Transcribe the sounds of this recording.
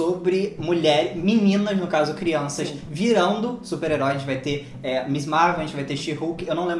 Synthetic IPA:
obɾɪmuʎɛɾɪminĩnɐznʊkazʊkɾiɐ̃sɐs | viɾɐ̃nd̪ʊsupeɾeɾɔjd͡ʒɪvajt̪e | ɛmizmaɾvẽt͡ʃvajt̪eʃihukɪewnɐ̃w̃lẽb

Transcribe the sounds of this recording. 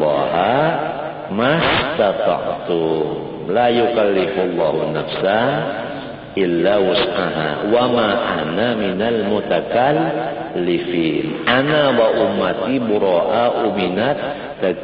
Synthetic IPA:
a̰ɦa | mast̪at̪ɑ̰ʕt̪u | lajukalːɪflˤːɑhunafsan | ʔɪlːawʊsʕaɦa̰wamaʔanaminalmut̪akalː | ɪfiːnʔanawaʔumːat̪ibuɾɔʔaʔuminat̪̚ː | a

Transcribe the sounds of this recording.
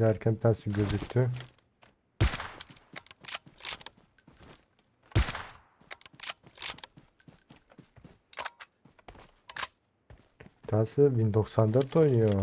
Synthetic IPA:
æɾkʲʰɛnt̪ʰasɯɡøzyk̚ʲt̪ʰy | t̪ʰasɯbind̪oksand̪at̪ʰojnujo

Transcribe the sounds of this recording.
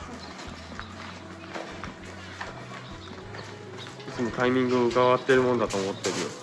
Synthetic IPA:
it͡sɨmo̞kaimʲĩŋɡɯ̟ɯkaβat̪ːe̞ɾɯ̟mo̞nod̪at̪o̞ːmo̞t̪ːe̞ɾɯ

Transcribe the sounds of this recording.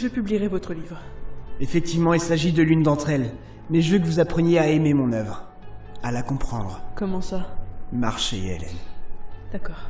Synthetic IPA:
ʒəpybliʁɛvɔt̪χəlivʁefɛk̚t̪ivmɑ̃ilsaʒid̪əlynd̪ɑ̃t̪χɛl | mɛʒəvøk̬əvuzapχənjeaememɔ̃nœvʁ | alakɔ̃pχɑ̰̃d̪ʁkɔmɑ̃sama̰ʁʃeɛ̰lɛ̰nd̪̥akɔːʁ

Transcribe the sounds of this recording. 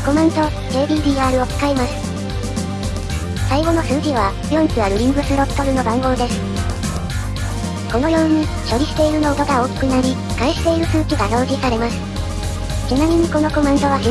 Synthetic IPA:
ko̞mẽnt̪o̞ | e̞ːd̪ʲiːd̪ʲiːaːɾɯ̟o̞t͡sɨ̥kaemasɨ̥ | saiɡo̞no̞sɨːʑiβ̞a | jõ̞nt͡sɨβaɾɯ̟ɾʲĩŋɡɯ̟sɨɾot̪ːo̞ɾɯ̟no̞bãŋɡo̞ːd̪e̞sɨ̥ | ko̞no̞jo̞ːɯɲ̟ːi | ɕo̞ɾʲiɕi̥t̪e̞iɾɯ̟no̞ːt̪oɡao̞ːkʲi̥kɯ̟naɾʲi | kaeɕi̥t̪e̞iɾɯ̟sɨːkʲiɡaso̞ːʑisaɾe̞masɨ̥ | t͡ɕinamʲĩɲ̟iko̞no̞ko̞mẽnt̪o̞β̞asi

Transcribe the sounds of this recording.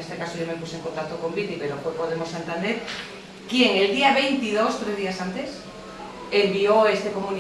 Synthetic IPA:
est̪ekasoʝomepusoeŋkont̪ak̚t̪oko̞mbit̪ipeɾofojpoðemosant̪and̪eɾ | kjeŋeld̪iaβejnt̪ið̞ost̪ɾezðiasant̪es | embioest̪ekomũni

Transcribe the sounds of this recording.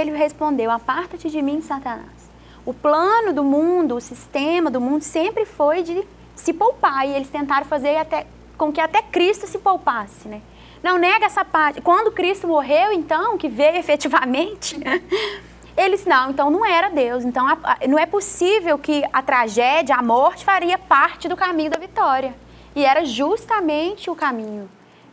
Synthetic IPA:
elɪɦespõnd̪ewapaɾt̪ɐt͡ʃɪd͡ʒɪmĩẽsat̪ɐna̰s | ʊplɐ̃nʊd̪ʊmũd̪ʊːsist̪ẽmɐd̪ʊmũnd̪ʊsẽmpɾɪfojd͡ʒɪ | sɪpowpaɪelɪst̪ẽnt̪aɾɐ̃w̃fazeɾat̪ɛ | kõkɪat̪ɛkɾist̪ʊsɪpowpasɪnɛ | nɐ̃w̃nɛɡɐɛsɐpaɾt͡ʃɪkwɐ̃nd̪ʊkɾist̪ʊmoɦewẽnt̪ɐ̃w̃kɪvejʊefet͡ʃivamẽt͡ʃɪ | elɪsnɐ̃w̃ẽnt̪ɐ̃w̃nɐ̃w̃ɛɾɐd̪ewsẽnt̪ɐ̃w̃anɐ̃w̃ɛposivewkɪɐt̪ɾaʒɛd͡ʒiɐamɔɾt͡ʃɪ̥faɾiɐpaɾt͡ʃɪd̪ʊkamĩɲʊd̪ɐvit̪ɔɾiɐ | ɪɛɾɐʒust̪amẽnt͡ʃɪʊkamĩɲʊ

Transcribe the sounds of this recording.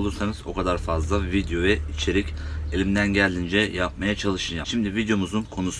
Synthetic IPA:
lˠuɾsanɯzo̞̰kʰad̪aɾfazlˠavid̪ejo̞vɛit͡ʃʰe̞ɾicelʲimd̪ænɟælʲd̪ʲind͡ʒɛjap̚majat͡ʃʰalˠɯʃɯnjaʃimd̪ivid̪jo̞muzunkʰo̞nus

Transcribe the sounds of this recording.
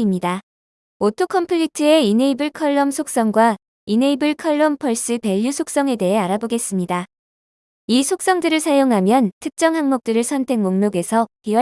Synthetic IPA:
imɲida | otʰokʰʌmpʰɯʎitʰɯe̞ine̞ibɯɭkʰʌɭːʌmsʰok̚s͈ʌŋɡwa | ineibɯɭkʰʌɭːʌmpʰʌɭs͈ɯpe̞ʎːusʰok̚s͈ʌŋe̞de̞ɦe̞aɾaboɡe̞s͈ɯmɲida | isʰok̚s͈ʌŋdɯɾɯɭsʰajoŋɦamjʌntʰɯk̚t͡ɕ͈ʌŋɦaŋmok̚t͈ɯɾɯɭsʰʌntʰe̞ŋmoŋnoɡe̞sʰʌpiwa

